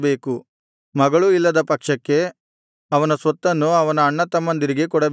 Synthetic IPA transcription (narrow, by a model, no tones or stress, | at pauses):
be̞ːku | mɐɡɐɭuilːɐd̪ɐpɐkʂɐkːe̞ | ɐʋɐnɐsʋɐt̪ːɐnːuɐʋɐnɐːɳːɐt̪ɐmːɐnd̪iɾiɡe̞k̬ɔɽɐb